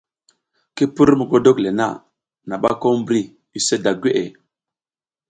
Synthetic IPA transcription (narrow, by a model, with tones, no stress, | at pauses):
ki˦pu˦ɾmu˨ɡo˦do˦kle˨na̰˦˨ | na˨ɓa˦ko˦m˦bɾi˦ | i˨se˦da˨ɡʷe˦ʔe˨